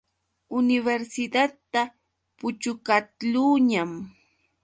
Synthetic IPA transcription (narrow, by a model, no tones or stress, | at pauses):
ʊnɪβeɾsɪd̪att̪ːa | pʊt͡ʃʊkat̪luːɲam